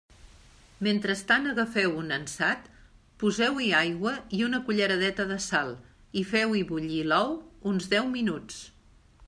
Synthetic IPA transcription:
ment̪ɾəst̪anəɣəfɛwunənsat̪ | puzɛwiajɣwəiunəkuʎəɾəðɛt̪əðəsalˠ | ifɛwiβuʎilɔwunzðɛwminut͡s

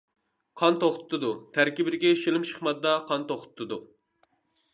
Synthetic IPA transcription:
qʰɑnt̪oχt̪ʰɨ̥t̪ːɨd̪ut̪ʰæɾkʲibɪd̪ɪɡʲɛʃilɪmʃə̥χmɑd̪d̪ɑqʰɑnt̪oχt̪ɨ̥t̪ʰːɨd̪u

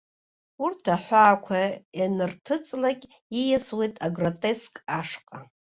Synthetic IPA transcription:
urtʰaħʷaːkʷʰajanɨrtʰɨt͡sʼlakʲʼ | ijaswejtʼaɡrotʼe̞skʼaʂqʼa

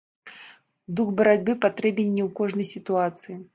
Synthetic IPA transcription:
d̪uxbɐɾad͡zʲbɨpat̪ɾɛbʲɛnʲːɛwkɔʐnɐjsʲit̪uat̪sɨji

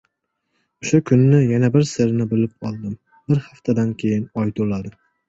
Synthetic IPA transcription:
ʊʃʊkʰʊnːɪjanabɪɾsɪɾnɪbɪlɪp̚ɒlˠd̪ɪm | bɪɾhaft̪ʰad̪ankʲʰejɪnɒjt̪ʰʊlad̪ɪ

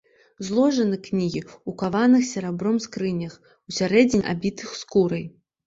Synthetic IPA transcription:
zlˠɔʐɐnɨknʲiɣʲiukavanɨxsʲaɾabɾɔmskɾɨnʲɐx | usʲaɾɛd͡zʲinʲa̰bʲit̪ɨxskuɾɐj

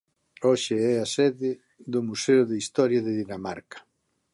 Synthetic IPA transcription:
oʃɪɛasɛðɪ | ðʊmuseʊðeist̪ɔɾjɐðɪðinama̰ɾkḁ

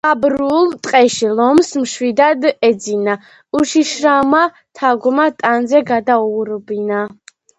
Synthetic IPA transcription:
abɾult̪ʼqʼɛʃilɔmsmʃwid̪ad̪ɛd̪zina | uʃiʃɾama | t̪ʰaɡɔmat̪ʼanzɛɡad̪auɾɔbina

